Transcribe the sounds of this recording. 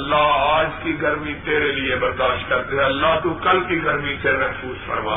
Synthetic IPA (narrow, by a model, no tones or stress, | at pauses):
lːaːaːd͡ʒkiɡəɾmĩt̪eːɾelɪebəɾd̪aːʃt̪̚kɐɾt̪eɦɛ̃ɐlːaːɦt̪ũːkəlkiɡəɾmĩsemɛɦfuːzfʰə̰ɾma̰ː